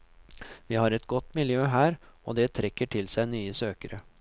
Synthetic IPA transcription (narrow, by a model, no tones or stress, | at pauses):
ʋiːhɑːɾɛt̪ɡɔt̪ːmɪljøːɦæːɾ | o̰ːd̪ɛt̪ʰɾɛkːəʈʰɪlsæɪnyːəsøːkəɾə